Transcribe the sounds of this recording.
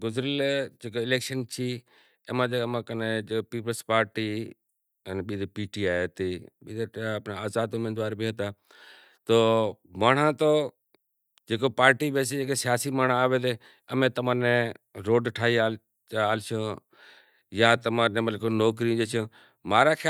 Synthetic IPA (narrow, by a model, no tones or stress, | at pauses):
ɡʊzɾəld͡ʒeːkoɪleːkʃənt͡ʃʰiː | eːmãːd͡ʒemãːkəneːd͡ʒepiːpəlspaːɾʈiː | ənɓiːd̪epiːʈiːaːet̪iːɓiːd̪eəpnaːaːzaːd̪ʊmeːd̪ʋaːɾbiːɦət̪aː | t̪oːmaːɳ̤ãːt̪oː | d͡ʒeːkoːpaːɾʈiːɓeːseːd͡ʒeːkesɪjaːsiːmaːɳ̤ãaːʋeːd̪eː | əmẽːt̪əmãːnẽːɾoːɖʈʰaːiaː | aːlt͡ʃʰõː | jaːt̪əmãːnẽːməllkonoːkɾĩd͡ʒeːt͡ʃʰõː | maːɾaːkʰa